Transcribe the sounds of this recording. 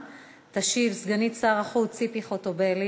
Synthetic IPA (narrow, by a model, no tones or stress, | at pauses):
t̪aʃivsɡanitsaʁaχut͡sipiχot̪obeli